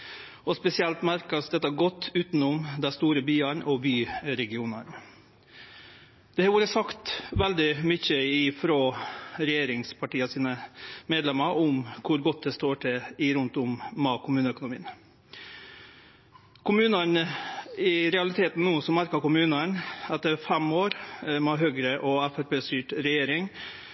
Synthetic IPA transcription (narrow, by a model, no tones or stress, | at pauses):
ɔspɛsɪɛlt̪mæɾkɑsd̪ɛt̪ːɑæɡɔt̪ːʉːt̪n̩ʊmd̪ɛst̪uːɾəbyːəɳʔɔbyːɾɛɡɪuːnɑɳ | d̪̥ɛhɑʋuːɾəsɑkt̪ʋɛld̪ɪmʏçːəɪfɾoːɾɛjeːɾɪŋspʰɑʈiːɑsiːnəmeːd̪lɛmːɑɾʔʊmkʰʊɾɡɔt̪̚ːd̪ɛst̪oːʈʰɛɪɾʉnt̪ʊmːɑkʰʊmʉːnəœkʊnʊmiːn | kʰʊmʉːnəɳəɪɾɛɑlɪt̪ʰeːt̪n̩nːuːsɔmæɾkɑkʊmʉːnəɳɛt̪əɾfɛmoːɾmɛɦøːɡɾəʔɔæfæɾpeːst̪yːʈɾɛjeːɾɪŋ